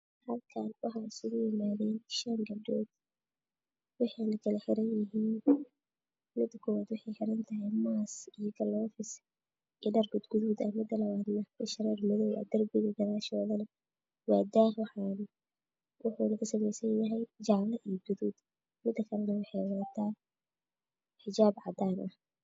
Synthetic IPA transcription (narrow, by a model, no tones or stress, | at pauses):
hɐlkʰaːnwɑħɑːɪsʊɣʊjɪmaːðɛːnʃaŋɡɐdɔːd̪ | wɑħɑjnɐkʰɐlɐħɪɾɐnjɪɦiːn | mɪd̪ɐkʰɔwaːd̪wʊħɑjħɪɾɐnt̪ʰɐɦɛjmaːsijɔkʰɐlɔːfɪs | ʔiɖɐrɡʊd̪ɡʊðuːd̪ɐmɪd̪ɐlɐβaːd̪nɐkɐʃɾɛːrmʊðɔwʔa̰d̪ɐrɡʊðɪɡɐɾaːʃɔːðɐnɐ | waːd̪aːhwɑħaːn | wʊħʊlɐkɐsɐmɛjsɐnjɐɦɛjd͡ʒɑʕlɐʔijd͡ʒʊðuːd̪ | mɪd̪ːɐkʰɐlɐnɐwɑħɛjwat̪ʰaː | ħɪd͡ʒaːbʕɑd̪aːnʔɐh